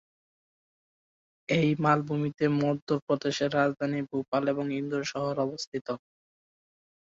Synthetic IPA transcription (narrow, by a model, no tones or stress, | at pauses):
ejmalbʱumit̪emɔd̪ːoɾpɾod̪eʃeɾːad͡zd̪ʱanibupaleboŋind̪oɾʃɔɦoɾɔbost̪ʰit̪o